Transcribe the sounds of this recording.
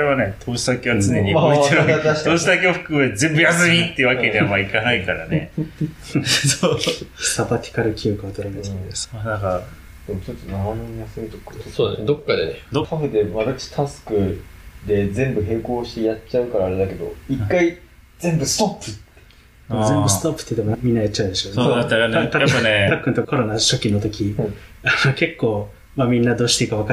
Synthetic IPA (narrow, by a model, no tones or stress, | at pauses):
ɾeβane̞t̪ʰoːɕi̥d̪akeβat͡sɨne̞ɲ̟iaieɾak̪aoːɕid̪akeaɸɯ̟̥kɯmzẽ̞mbɯjas̬ɨmʲit̪ːeɯ̟βakke̞d̪eamaikanaikaɾa̰ne | sosabat̪ʲi̥kaɾɯ̟kʲiokɯat̪oɾaimasd̪esmanaka | d̪̥e̞mot͡ɕot͡sːonaɾanonjasɨmʲit̪okːasoːd̪d̪okːad̪ened̪okʰaɡet̪e̞mad̪at͡ɕi̥t̪ʰasɨ̥kɯ̟d̪e̞zẽ̞mbɯ̟ɦe̞ːko̞ːɕi̥t̪e̞jat͡ɕaɯ̟kaɾaːɾe̞d̪ake̞d̪o̞̰ikːai | zẽ̞mbɯ̟sɨ̥t̪o̞pːɯ̟t̪ː | d̪emozẽ̞mɯsɨ̥t̪o̞pːɯ̥t̪ːeit̪ommʲĩnːajatt͡ɕːaɯ̟d̪e̞ɕo̞ːeaɾt̪aet̪akːɯ̟nt̪o̞kʰo̞ɾo̞naɕo̞kʲino̞t̪o̞kʲianoke̞kːo̞ː | mamʲĩnːad̪o̞ːɕi̥t̪eikaβaka